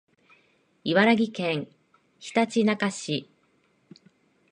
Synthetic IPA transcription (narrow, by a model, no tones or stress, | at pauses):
iβaɾaɡʲikẽ̞ŋ | çi̥t̪at͡ɕinakaɕi